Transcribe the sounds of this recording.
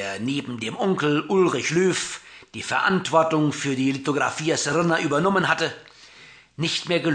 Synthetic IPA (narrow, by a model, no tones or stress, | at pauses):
ɐneːbm̩deːmʔɔŋkl̩ʔʊlʁɪçløːfd̥iːfɛɐʔa̰ntv̥ɔɐtʊŋfyːɐdiːlitoɡʁa̰fiːasʁɪnɐʔyːbɐnɔmənhatə | nɪçtmeːɐɡəl